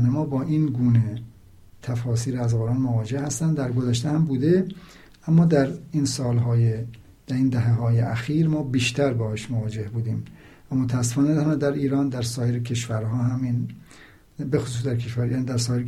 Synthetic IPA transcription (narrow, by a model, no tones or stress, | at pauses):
nemɒːbɒːʔiːnɡuːne | t̪ʰæfɒːsiːɾæzɣoɾɑːnmovɒːd͡ʒehhæst̪ænd̪d̪æɾɡozæʃt̪ehæmbuːd̪e | ʔæmːɒːd̪æɾiːnsɒːlɦɒːje | d̪̥æɾiːnd̪æɦeɦɒːjeʔæxiːɾmɒːbiːʃt̪ʰæɾbɒːɑʃmovɒːd͡ʒehbuːd̪iːm | væmot̪ʰææsːe̥fɒːned̪næd̪æɾiːɾɒːnd̪æɾsɒːjeɾekʰe̞ʃvæɾhɒːɦæmin | bexos̬uːs̬d̪æɾkʰeʃvæɾjænid̪æɾsɒːjeɾe